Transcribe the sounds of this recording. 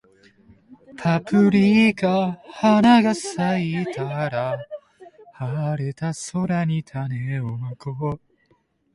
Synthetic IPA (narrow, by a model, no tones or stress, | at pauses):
pʰapʰɯ̟ɾʲikahanaɡasait̪ʰaɾa | haɾet̪aso̞ɾaɲit̪ʰaneomako